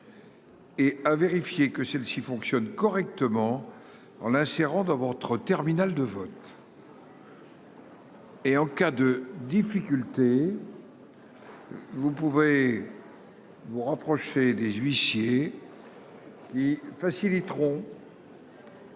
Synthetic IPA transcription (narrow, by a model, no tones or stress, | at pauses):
eaveʁifjekəsɛlsifɔ̃ksjɔnkɔʁɛk̚t̪əmɑ̃ | ɑ̰̃lɛ̃seʁɑ̃d̪ɑ̃vɔt̪χət̪ɛʁminald̪əvɔt̪ | eɑ̃kad̪əd̪ifikʲylt̪e | vupuve | vuʁapχɔʃed̪ezɥisje | kʲifasilit̪χɔ̃